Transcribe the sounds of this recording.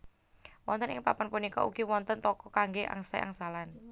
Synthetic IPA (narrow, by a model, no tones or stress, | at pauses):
wɔ̰nt̪ənɪ̰ŋpapɔnpunikɔ̰uɡ̥iwɔnt̪ənt̪ɔkɔkaŋɡeʔa̰ŋsɛ̰ʔa̰ŋsalan